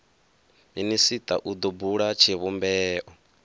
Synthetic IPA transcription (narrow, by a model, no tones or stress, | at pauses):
minisit̪ʼa̰ʔud̪ubuɺat͡ʃʰiβumbɛːʔɔ